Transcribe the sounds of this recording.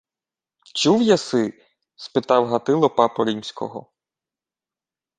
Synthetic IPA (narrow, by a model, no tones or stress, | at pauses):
t͡ʃuwjasɪ | spɪt̪ɑwɦɐt̪ɪlˠɔpɑpɔɾʲimsʲkɔ̰ɦɔ̰